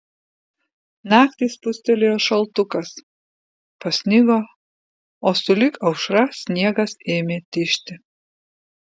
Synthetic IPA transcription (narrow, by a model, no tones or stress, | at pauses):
nɑːkt̪ʲiːspʊsʲt̪ʲɛlʲejoːʃɐlˠt̪ʊkɐs | pɐsʲnʲɪɡo | oːsʊlʲɪkɐʊʃɾɐsʲnʲiɛɡɐseːmʲeːt̪ʲɪʃʲt̪ʲɪ